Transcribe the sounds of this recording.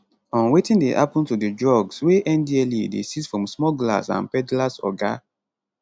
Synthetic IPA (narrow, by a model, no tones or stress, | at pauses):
ɔ̃nwetĩndḛhapɔ̃ntudedɹɔɡsweʔɛ̃ndiɛlidesisfɹɔ̃msmɔɡla̰sã̰npɛdlasɔ̰ɡa